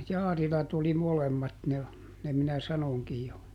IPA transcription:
jɑːrilɑt oli molemːɑt ne ne minæ sɑnoŋkij jo

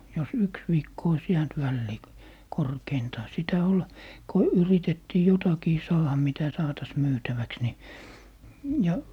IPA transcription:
jos yks ʋiːkːo ois jæːnt ʋælːiː korkeintɑː sitæ ol ko yritetːiː jotɑkiː sɑːhɑ mitæ sɑːtɑs myːtæʋæks ni jɑ

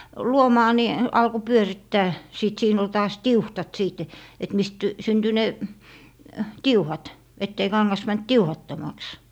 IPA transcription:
luomɑː ni ɑlko pyøritːæː siˑt siːn ol tɑːs tiuhtɑt siˑt et mist synty ne tiuhɑt etːei kɑŋːɑs mænt tiuhɑtːomɑks

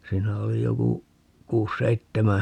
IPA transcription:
siːnæ oli joku kuːs seitːemæ

